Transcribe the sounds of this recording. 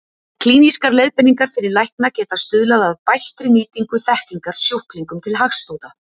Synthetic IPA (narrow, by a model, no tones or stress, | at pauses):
kʰliːniskaɾlejðpɛnːiŋkaɾ̥fɪɾɪɾlajhknacɛːt̪ast̪ʏðlaðaðpajht̪ɾɪniːt̪iŋkʏθɛhkliŋkaɾ̥sjowhkliŋkʏmt̪ʰɪlɦaxsfowt̪a